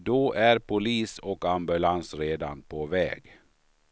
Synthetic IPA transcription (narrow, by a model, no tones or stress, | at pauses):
d̪oːʔæɾpʰʊliːsɔkambɵlansɾeːd̪anpʰovɛ̰ːɡ